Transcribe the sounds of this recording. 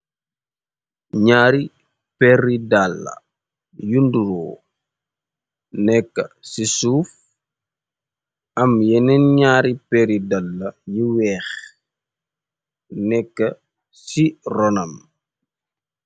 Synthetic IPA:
ɲaːɾi | pɛridalːɐ̰ | junduɾɔː | nɛkːɐsisuːf | ɐmjɛnɛnɲaːɾipɛɾidalːɐjiwɛːx | nɛkːɐ | sirɔnɐm

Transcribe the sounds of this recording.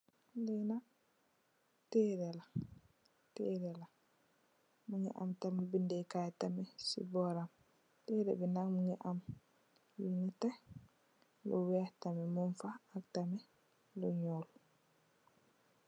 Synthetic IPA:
dɛna | tɛɾɛla | tɛɾɛla | muŋɛ̰ʔa̰mtambindɛkajtamɛsḭbɔɾam | tɛɾɛ̰bɛnaŋmuŋɛʔam | linita | lɔwɛtamɛmunfaːktamɛ | lɔɲolu

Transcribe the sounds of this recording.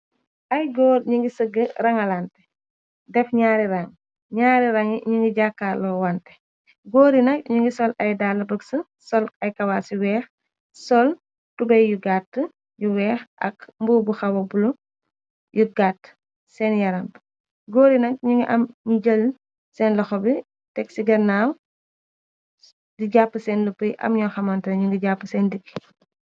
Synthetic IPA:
ʔɐjɡɔːɾɲuŋɡisəɡərɐŋɐlantɛ̥ | dɛfɲaːɾiɾɐŋ | ɲaːɾiɾɐŋiɲuŋɡiɟakːalɔːwɐntɛ̥ | ɡɔːɾinɐk̚ɲuŋɡisɔlɐjdaːlɐbəksə | sɔlɐjkɐwaːsiwɛːx | sɔl | tubɐjjuɡatːə | juwɛːxʔɐ̰kmbubuxɐwɐbulu | juɡatː | sɛnjɐɾɐm | ɡoːɾinɐk̚ɲuŋɡiʔɐmɲuɟəl | sɛːnlɐxɔbi | tɛk̚siɡɐnaːw | diɟapːəsɛːnlupːəjʔɐ̰mɲɔːxɐmɐntɐɲuŋɡiɟapːəsɛndikːi̥

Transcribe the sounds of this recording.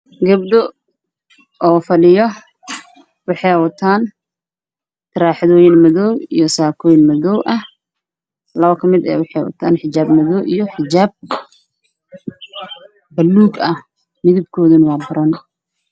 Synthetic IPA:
ɡɐb̚d̪ɔ | ɔːfɐɗɪjɔ | wɑħɛjwɐt̪ʰaːn | t̪ʰɐɾaːħðɔːjɪnmɐðɔwijɔsaːkʰɔːjnmɐðɔwʔɐh | lɐβɐkʰɐmɪd̪ɛ̰ːwɑħɛwɐ̰t̪ʰaːnħɪt͡ʃaːbmɐðɔwʔijɔħɪt͡ʃaːb̚ | bɐlːuːɡɐ | mɪðɪb̚kʰɔːðɐnwɑːbɐɾɐn

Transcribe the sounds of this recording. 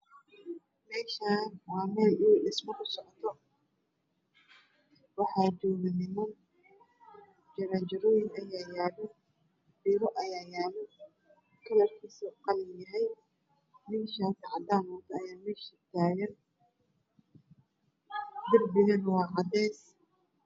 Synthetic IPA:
mɛːʃaːwɑːmɛjuːɖɪsmɐkʊsɔʕɔt̪ʰɔ | wɑħɑːd͡ʒɔːɣɪnɪmɔ | d͡ʒɐɾat͡ʃɐɾɔjɪnɐjaːjaːlɛ | b̥ɪɾɔʔɐjaːjaːlɛ | t̪ʰɔlɐrkʰiːsɐqɑlɪjɐɦɛj | mɪnʃaːsʕɑd̪aːmɔːt̪ʰɐɐjaːmɛːʃɪt̪ʰaːɣɐn | d̪ɪrbɪɣɐnwɑːɦɐd̪ɛːs

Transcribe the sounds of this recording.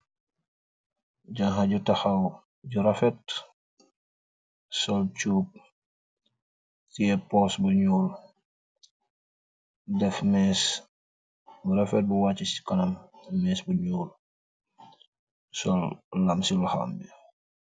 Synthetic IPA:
ɟaŋɦaɟutɐxɐw | ɟuɾɐfɛt̚ | sɔlt͡ʃuːp̚ | tiɛpɔsbuɲuːl | dɛfmɛːs | buɾɐfɛt̚buwat͡ʃːisi̥kɐnɐmmɛːsbuɲuːl | sɔllɐmsilxa̰mbi

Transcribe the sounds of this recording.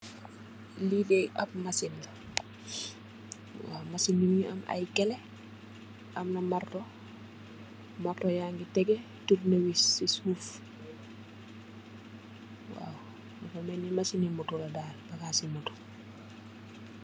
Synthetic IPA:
lidɛjʔɐp̚masinl | wa̰wmasinːimiɐ̰mɐ̰jkɛlɛ | ʔɐmnɐmartɔ | martɔjaːŋɡitɛɡɛ | turnəwisisuːf | wa̰ːw | nfɐmɛnːimasinimutulɐdaːlbɐkaːsimutu̥

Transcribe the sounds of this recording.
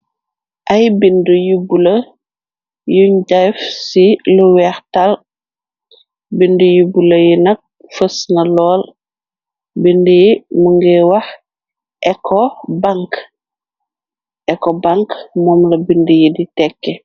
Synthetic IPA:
ʔɐjbindujubulɐ | juɲd͡ʒajfsiluwɛɾtal | bindujubulɐjinɐk̚fəsnɐlɔːl | bindijimuŋɡɛwɐh | ʔɛkʰːɔbaŋk | ʔɛkːɔbaŋkmɔːmlɐbindijiditɛkːɛ

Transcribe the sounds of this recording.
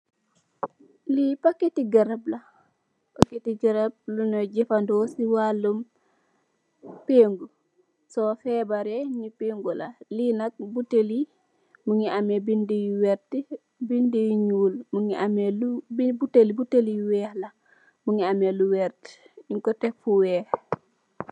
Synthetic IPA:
lipakːetiɡɐɾablɐ | pakːetiɡɐɾab̚lunɔɟɛfandɔsiwalːum | peːŋɡu | sɔfɛbaɾeɲipeːŋɡula̰linɐk̚buteli | muŋiʔamebindijuwɛɾti | bindijuɲuːlmuŋiʔamelubibutelibutelijuwɛːhlɐ | muŋiameluwɛɾt | iŋkɔtɛkfuwɛːh

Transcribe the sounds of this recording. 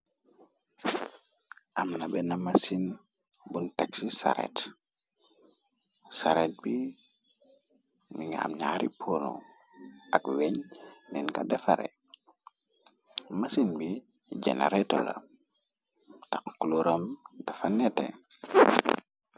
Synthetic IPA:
ʔamnabɛnamasin | buntɛksisa̰ɾɛ̰t | saɾɛt̚bi | miŋa̰mɲa̰ɾipʰono̰ | ʔakweɲninkadɛfaɾɛ̰ | masinbi | d͡ʒɛ̰na̰ɾɛtola̰ | takkuloɾəmdafanɛtɛ̰

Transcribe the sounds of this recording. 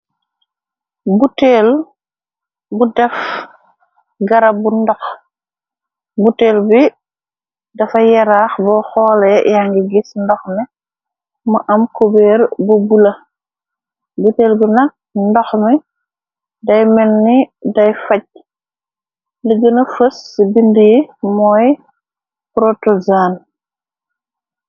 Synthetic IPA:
buteːl | budɛf | ɡɐɾɐbundɔx | buteːlbi | dɐfɐjɛɾaxbɔxɔːlɛjaŋɡiɡisndɔxmɛ | mɐʔɐmkobeːɾbobulɐ | butɛlbinɐk̚ndɔxmɛ | dɐjmɛnːidɐjfɐc̚ | liɡənɐfəsːibindijimɔj | pɾotɔzaːn

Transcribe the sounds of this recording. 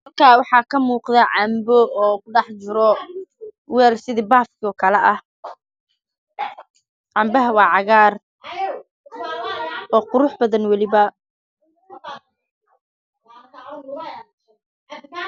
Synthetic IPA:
mɐrkʰaːwɑħɑːkʰɐmuːqðɛʕɑmbɔɔːkʊɖɑħt͡ʃɪɾɔ | wɛːlsɪðibaːfkʰɔːkʰɐlɛʔɐh | ʕɑmbɐɦɐwɑːʕɑɣaːr | ɔːqʊɾʊħbɐðɐnwɑlɪβɐ

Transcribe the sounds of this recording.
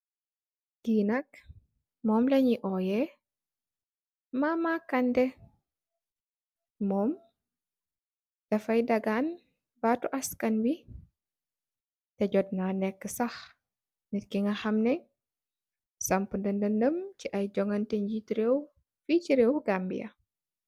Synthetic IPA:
ɡ̥iːnɐk | mɔːmlɐɲiʔɔjɛ | mamakɐndɛ | mɔːm | d̥ɐfɐjdɐɡaːn | batuʔɐskɐnwi | tɛɟɔd̚nanɛkːəsɐx | nitkiŋɡɐxɐmnɛ | sɐmpundɐndɐndəmciʔɐjɟɔŋɐnteɲɟitiɾew | ficiɾewɡambḭjɐ̰

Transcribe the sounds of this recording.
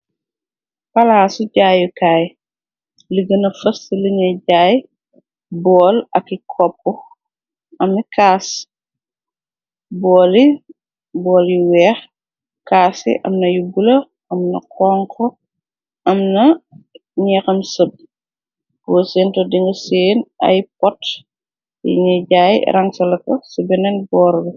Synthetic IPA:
pɐlaːsuɟaːjikaːj | liɡənɐfɐstiliɲɐɟaːj | bɔːlɐkːikʰɔp̚ːɔ | ɐmikʰaːs | bɔːli | bɔːljiwɛːx | kaːsḭʔɐ̰mnɐjubulɐ | ɐmnɐ̰kʰɔːŋkʰɔ | ɐmnɐ | ɲɛːxɐmsəb̚ | boːseːntɔdiŋɡɐseːnɐ̰jp̚ɔt | ḭɲɐɟaːj̰ɾɐŋsɐlɐkɐsubɛnɛnbɔːɾbi

